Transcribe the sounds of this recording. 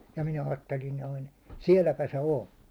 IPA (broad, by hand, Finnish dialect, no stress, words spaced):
jɑ minæ ɑːtːelin noin̞ siɛlːæpæ se on̞